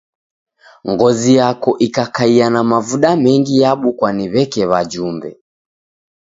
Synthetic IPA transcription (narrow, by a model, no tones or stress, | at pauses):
ŋɡɔzijakɔʔikakaianamavuɗamɛŋɡijaɓukwaniβɛkɛβad͡ʒumbɛ̰